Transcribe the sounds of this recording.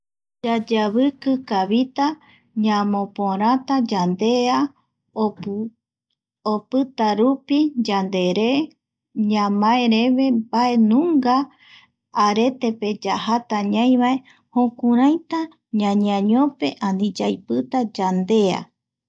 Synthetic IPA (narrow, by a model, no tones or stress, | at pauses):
d͡ʒad͡ʒaβɨkɨkaβit̪a | ɲãmõpõɾ̃ãt̪ad͡ʒand̪e̞a | opɨt̪aɾupid͡ʒand̪e̞ɾe | ɲãmãeɾeβe̞bae̞nũŋɡaː | ɾe̞t̪e̞pe̞d͡ʒahat̪aɲãj̃βae̞ | hõkũɾãjt̪a | ɲãɲãɲõpe̞ʔãnĩd͡ʒajpɨt̪ad͡ʒand̪e̞a̰